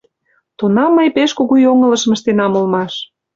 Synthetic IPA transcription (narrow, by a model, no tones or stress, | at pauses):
t̪unɑmːəjpeʃkoɣujoŋələ̆ʃəmə̆ʃt̪enɑmulmɑʃ